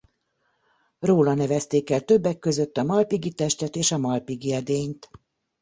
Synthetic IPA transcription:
roːlɒnɛvɛst̪eːkɛlt̪ø̞bːɛkːø̞zøt̪ːɒmɒlpiɡit̪ɛʃt̪ɛt̪eːʃɒmɒlpiɡiɛd̪eːɲt̪

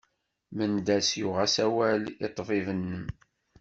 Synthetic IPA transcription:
mənd̪æsjʊʁæsæwælit̪ˤːvɪvənːəm

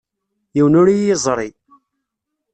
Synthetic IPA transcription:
jiwnʊɾijizˤɾˤi

